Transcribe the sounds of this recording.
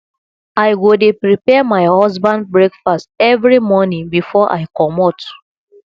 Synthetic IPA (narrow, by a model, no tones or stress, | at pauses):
ajwudepɹipɛamaɪhɔzbãnd̚bɹekfast̚ɛvɹimɔnĩŋbifɔʔa̰ɪjkɔmɔt